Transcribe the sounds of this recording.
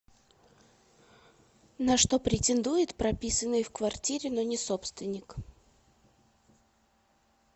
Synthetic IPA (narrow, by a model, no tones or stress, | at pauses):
nɐʂt̪o̞pɾʲɪtʲɪnd̪ujɪt̪pɾɐpʲisənːɨjfkvɐrtʲiɾʲɪnonʲɪsopst̪vʲɪnʲɪk